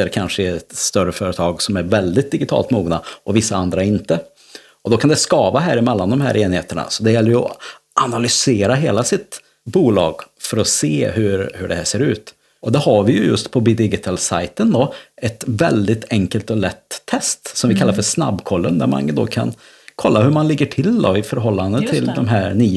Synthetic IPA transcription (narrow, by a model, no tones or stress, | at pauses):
əɾkʰanʂəɛt̪st̪œɾəfœːɾət̪ʰɑːɡsɔmæɾvɛld̪ɪt̪̚d̪ɪɡɪt̪ʰɑ̰ːlt̪muːɡnaʔɔvɪsːaand̪ɾaɪnt̪ə | ɔd̪ɔkʰand̪ɛskɑːvaɦæːɾɪmɛlːand̪ɔmɦæ̰ːɾʔeːnɪheːt̪əɳa̰sɔd̪ɛjɛlːɾjɔ̰ | ʔanalʏseːɾaɦeːlasɪt̪ | buːlɑ̰ːɡfœɾɔseːhɵɾhɵɖɛhæːʂseːɾʉ̟ːt̪ | ʔɔd̪ɛhaɾvɪjɵjɵst̪pʰɔbɪd̪ɪɡɪt̪ʰɑlsa̰jt̪ənd̪ɔɛt̪vɛld̪ɪt̪ʰɛŋkəlt̪ɔlɛt̪ʰːɛst̪sɔmvɪkʰalːaɾfœʂna̰bːkʰɔlːənd̪æ̰ɾma̰nd̪o̰ːkʰa̰n | kʰɔlːahɵɾmanlɪɡːəʈʰɪld̪ɔɪfœɾɦɔlːand̪ət̪ʰɪld̪ɔmɦæːɾnyː